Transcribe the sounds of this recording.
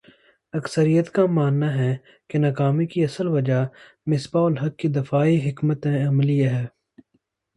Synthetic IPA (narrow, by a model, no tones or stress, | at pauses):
ɐksəɾijət̪kamaːnːaɦɛ | kenɐkaːmikiɐsəlʋɐd͡ʒa | mɪsbaʊlɦɐkːid̪ɪfaːiɦɪkmət̪ẽɐmliaɦɛː